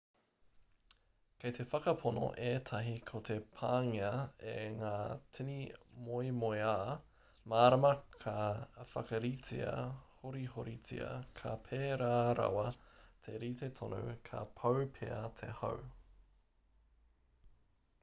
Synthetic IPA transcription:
kʰejt̪ʰe̞fɐkɐpʰono̰ʔeːtʰɐɦikʰot̪ʰe̞pʰaːŋiɐeŋaːt͡sʰinimojmojaː | maːɾɐmɐkʰɐfɐkɐɾit͡sḭɐ̰hoɾihoɾit͡sḭɐ̰kʰɐpʰeːɾaːɾɐ̰wɐtʰeɾit̪etʰono̰kʰɐ̰pʰɐwpʰḛɐt̪ʰḛhɐ̰w

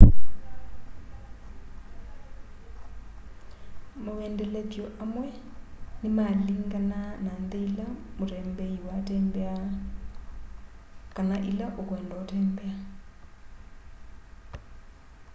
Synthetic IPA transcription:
maɛndɛletjɔʔamwɛnimaliŋ̩kananand̪eilamuɾɛmbeiwatɛmbɛa | kanaʔilaʔʊkʊɛndaatʰɛːmbɛa

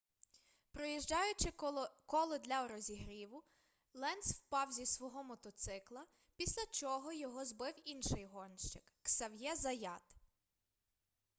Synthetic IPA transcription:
pɾɔjiʒd͡ʒɑjʊt͡ʃɪkɔlˠɔd̪lʲɐɔɾɔzʲiɦɾʲiʋʊ | lˠɛnswpɑwzʲisʋɔɦɔmɔt̪ɔt̪sɪklˠɐ | pʲisʲlʲɐt͡ʃɔɦɔjɔɦɔzbɪwinʃɪjɦɔnʃt͡ʃɪkːsɐwjɛzɐjɑt̪

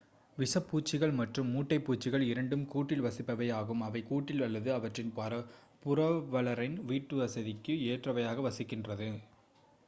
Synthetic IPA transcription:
ʋɪsɐpːuːt͡ʃːɪɣɐɭmɐʈrɯmːuːʈːɐɪpːuːt͡ʃːɪɣɐɭɪɾɐɳɖɯmkuːʈːɪlʋɐsɪpːɐʋɐjaːɣɯmɐʋɐɪkuːʈːɪlɐlːɐðɯɐʋɐʈrɪnpaːɾɐ | pʊɾɐʋɐɭɐɾɐɪnʋiːʈːɯʋɐsɐðɪkːɯeːʈrɐʋɐjaːɣɐʋɐsɪkːɪndrɐðɯ

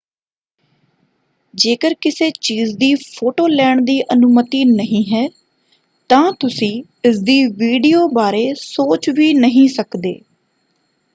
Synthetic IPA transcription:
d͡ʒeːkəɾkɪseːt͡ʃiːzd̪iːpʰoːʈoːlɛːɳd̪iːʔənʊmət̪iːnəɦĩːɦɛː | t̪ãːt̪ʊsĩː | ɪsd̪iːʋiːɖiːoːbaːɾeːsoːt͡ʃʋiːnəɦĩːsəkd̪ḛː

